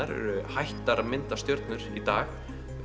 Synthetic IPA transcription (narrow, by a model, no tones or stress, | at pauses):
aɾ̰ɾhajht̪aɾmɪnt̪ḁst̪jœɾt̪nʏɾ̥it̪aːx